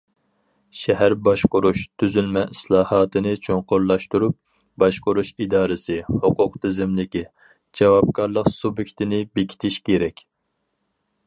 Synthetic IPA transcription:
ʃɛɦæɾbɑʃqʊɾuʃt̪ʰyzylmɛʔislˠɑːhɑːt̪ʰɨnɨt͡ʃʰoŋqʊɾlˠɑʃt̪uɾup̚ | bɑʃqʊɾuʃid̪ɑːɾɨsɨhoqʊqt̪ʰɪzɪmlɪkʲi | d͡ʒɛwɑp̚kɑɾlˠəqsubjɪkʲt̪ʰɪnɪbekʲʰi̥t̪ʰɪʃkʲeɾɛkʲ

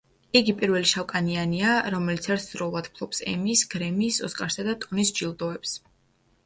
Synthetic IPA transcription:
iɡipʼiɾvɛliʃawkʼanianiaɾɔmɛlit̪sʰaɾszɾɔlˠad̪pʰlˠɔpsɛ̰miːsɡɾɛmiːsɔskʼaɾsad̪at̪ʼunisd͡ʒilˠd̪ɔɛps

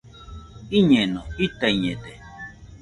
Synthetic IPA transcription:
iɲenoit̪aiɲet̪e

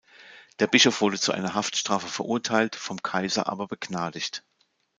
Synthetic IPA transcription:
d̥eːɐbɪʃofv̥ʊɐdət͡suʔa̰ɪnɐɦaftʃtʁ̥aːfəfɛɐʔʊɐtʰaɪltfɔmkʰaɪzɐ̰ʔa̰ːbɐbəɡnaːdɪçt

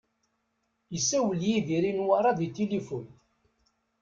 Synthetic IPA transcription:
jəsːæwəljiðiɾinwaɾˤɑðit̪ːilifun

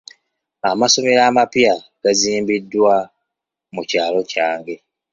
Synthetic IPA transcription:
amaso̞me̞ɾaːmapjaɡ̥aziːmbidːwa | mucaːlo̞caːŋɡe̞

